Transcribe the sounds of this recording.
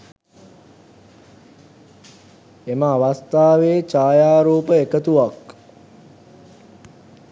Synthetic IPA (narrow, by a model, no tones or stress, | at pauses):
eməaʋast̪aːʋeːt͡ʃaːjaːɾuːpəekət̪uʋak